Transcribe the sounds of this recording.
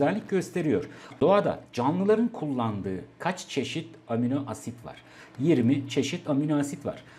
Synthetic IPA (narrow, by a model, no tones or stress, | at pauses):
ɛlʲːic̚ɟø̞st̪ʰe̞ɾijo̞̰ɾ̥d̪̥o̞ad̪a̰d͡ʒanlˠɯlˠaɾɯnkʰulˠːand̪ɯːkʰat͡ʃt͡ʃʰe̞ʃit̪ | aminoʔasit̪va̰ɾ̥ | jiɾmit͡ʃʰe̞ʃit̪aminoasit̪va̰ɾ̥